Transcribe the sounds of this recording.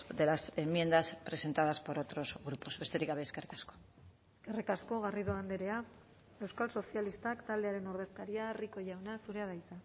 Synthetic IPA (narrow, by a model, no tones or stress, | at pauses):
d̪e̞lase̞mːje̞nd̪aspɾe̞se̞nt̪aðaspo̞ɾo̞t̪ɾo̞zɣɾupo̞zβe̞st̪eɾikɡaβe̞ːskerikasko̥ | eske̞rikasko̞ɣ̞ariðoand̪eɾe̞a | e̞wskalso̞sialist̪akt̪ald̪e̞aɾe̞noɾð̞e̞st̪aɾiariko̞ʝawnasuɾe̞að̞ajt͡s̪a